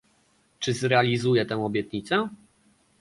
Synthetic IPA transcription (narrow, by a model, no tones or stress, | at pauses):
t͡ʂɘzɾɛalʲizujɛt̪ɛw̃ɔbʲjɛt̪ɲit̪sɛ